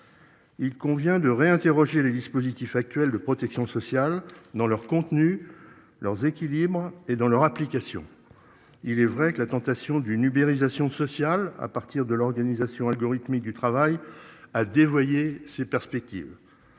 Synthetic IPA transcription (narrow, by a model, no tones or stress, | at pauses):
ilkɔ̃vjɛ̃d̪əʁeɛ̃t̪eʁɔʒeled̪ispozit̪ifak̚t̪ɥɛld̪əpχɔt̪ɛksjɔ̃sɔsjald̪ɑ̃lœʁkɔ̃t̪ny | lœʁzekʲilibʁed̪ɑ̃lœʁaplikasjɔ̰̃ | ilɛvʁɛkəlat̪ɑ̃t̪asjɔ̃d̪ynymeʁizasjɔ̃sɔsjala̰paʁt̪iʁd̪əlɔʁɡanizasjɔ̃alɡɔʁit̪mik̚d̪yt̪χavajad̪evwajesepɛʁspɛk̚t̪ḭːv